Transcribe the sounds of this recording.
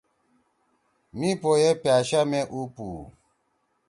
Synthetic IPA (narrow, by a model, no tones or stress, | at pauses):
mĩpɔjɛpjaʃamɛʔupu